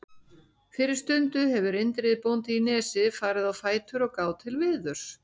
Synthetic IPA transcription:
fɪɾɪɾ̥st̪ʏnt̪ʏɦɛvʏɾɪnt̪ɾɪðpownt̪iinɛːsɪfaːɾɪðawfaːjt̪ʰʏɾɔɣkaːwt̪ʰɪlvɪːðʏɾ̥s

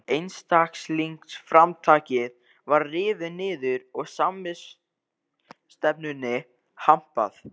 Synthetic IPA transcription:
ejnst̪aksliŋksfɾamt̪ʰaːcɪð | vaɾrɪːvɪnɪːðʏɾɔɣsamɪs | t̪ɛpnʏnɪ | ham̥pa̰θ

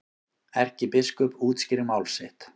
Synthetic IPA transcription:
ɛr̥cɪpɪskʏpuːt̪scɪɾɪmaːwlsɪht̪

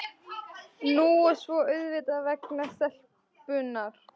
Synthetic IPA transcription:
nuːɛ̥svɔœɥðvɪːt̪avɛknasɛl̥p | pʏnaɾ̥

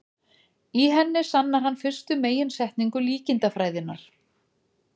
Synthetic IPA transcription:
iɦɛnːɪsanːaɾ̥hɦanːfɪr̥st̪ʏmeːjɪnsɛht̪niŋkʏliːcɪnt̪afɾaːjðɪnːaɾ̥

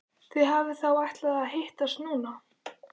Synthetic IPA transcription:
θiðɦavɪθawajht̪laðaðɦejht̪ast̪nuːna

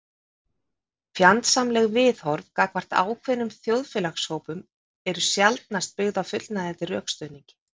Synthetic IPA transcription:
fjant̪samlɛɣvɪðhɔɾðkaːkvar̥t̪a̰ːwkʰvɛnːʏmθjowðfjɛlaxshowpʏm | ɛɾʏsjalt̪̚nast̪̚pɪɣðawfʏt̪l̥t̪naðɛt̪ɪrœːkst̪œɥniŋcɪ̥

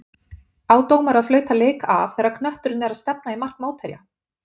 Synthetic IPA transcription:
aːwt̪oːwmɛɾaðflœːɥt̪aleːjka̰vθɛːɾaɾkʰnœht̪ʏɾɪnɛɾaðst̪ɛp̚naimar̥kmoːwt̪ʰɛɾja̰

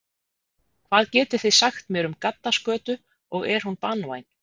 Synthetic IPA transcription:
kʰvaːðcɛːt̪ɪ̥ɾ̥θeðsaxt̪mjɛːɾʏmkat̪ːaskœːt̪ʏ | ɔɣɛɾ̥hunpanwa̰jn̥

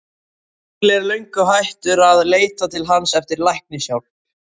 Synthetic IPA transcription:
lɛɾleɥjŋkʏɦajht̪ʏɾaðleːjt̪at̪ʰɪlɦansɛft̪ɪɾlajhpnɪsjawl

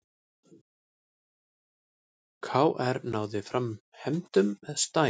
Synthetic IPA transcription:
kʰvaːwʔɛɾnaːwðɪfɾamhɛmt̪ʏmɛðst̪aː

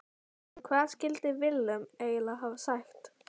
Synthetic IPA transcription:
kʰvaːðscɪlt̪ɪvɪlːʏmeːjlaɦavsaxt̪

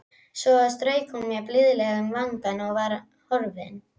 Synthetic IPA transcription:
sɔast̪ɾœɥkʰuŋmɛplʏðlɛɣʏmvaŋkanɔɣvaɾ | hɔɾvɪn

